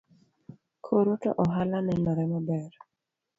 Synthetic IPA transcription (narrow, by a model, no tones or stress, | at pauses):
kʰoɾotɔ̰ʔɔɦalanɛnɔɾɛmabɛr